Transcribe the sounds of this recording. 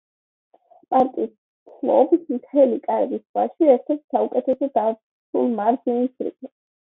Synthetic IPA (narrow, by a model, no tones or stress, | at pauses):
pʼaɾt̪ʼiːs | sʰlˠɔ̰bsmt̪ʰɛlikʼaɾɛɡiswa̰ʃiɛɾt̪ʰɛɾt̪saukʼɛt̪ʰɛsɔd̪a | sʰṵlˠmaɾzinisɾḭkʼi